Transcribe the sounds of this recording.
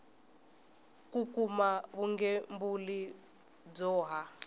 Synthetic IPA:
kukumaβuŋɡɛmbuli | d͡zɔːɦa

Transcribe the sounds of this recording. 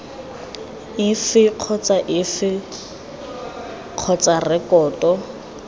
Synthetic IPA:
ɪfɪq͡χʰɔt͡sʼaʔɪfɪ | q͡χʰɔt͡sʼarɪkɔːtʼɔ

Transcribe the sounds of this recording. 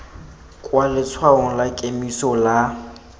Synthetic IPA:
kʼwalɪt͡sʰwaɔŋ̩lakʼemisɔla

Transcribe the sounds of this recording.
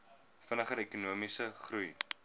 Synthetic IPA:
fənəχəɾɛkunuəmisəχruj

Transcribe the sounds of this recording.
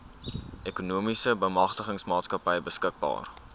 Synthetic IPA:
ʔɛkunuəmisəbəjmɐχtəχəŋsmɑːtskɐpəjbəskək̚bɑ̰ːr

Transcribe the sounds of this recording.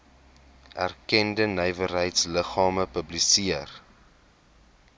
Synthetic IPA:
ʔæ̰rkɛndənœjvəɾɦəjtsləχɑːməpəblisiər

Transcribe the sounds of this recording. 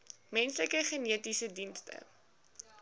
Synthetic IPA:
mɛnsləkəχəniətisədinstə̰

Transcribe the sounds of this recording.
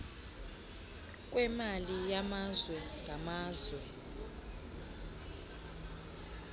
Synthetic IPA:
k̬ʼwɛmalijamazwɛŋʱamaːzwɛ

